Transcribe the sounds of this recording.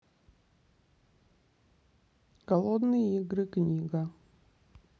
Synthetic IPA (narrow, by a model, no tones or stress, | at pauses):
ɡ̥ɐlˠod̪nɨjəiɡɾɨknʲiɡɐ